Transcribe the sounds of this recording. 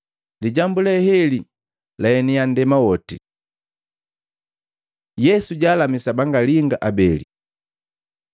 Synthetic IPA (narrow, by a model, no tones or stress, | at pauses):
liɟambulɛhɛli | laɛnijandɛmawɔti | jɛsuɟaːlamisabaŋɡaliŋɡaʔabɛlḭ